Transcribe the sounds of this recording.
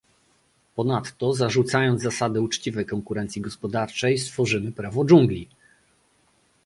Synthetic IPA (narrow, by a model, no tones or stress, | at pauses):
pɔnat̪ːɔzaʐut̪sajɔnt̪zasad̪ɘut͡ʂt͡ɕivɛjkɔŋkuɾɛnt̪sʲjiɡɔspɔd̪aɾt͡ʂɛjst̪fɔʐɘmɘpɾavɔd͡ʐuŋɡlʲi